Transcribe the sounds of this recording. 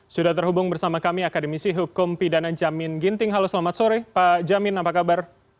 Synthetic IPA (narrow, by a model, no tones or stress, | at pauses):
sudaht̪ərɦubʊŋbərsamakamiakadəmisiɦukʊmpidanad͡ʒamɪnɡint̪ɪŋɦaloslamat̪̚soɾɛpad͡ʒamɪnapakabar